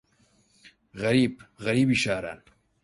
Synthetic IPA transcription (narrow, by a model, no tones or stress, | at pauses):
ɣɐɾiːbɣɐɾiːbiːʃaːɾa̰ːn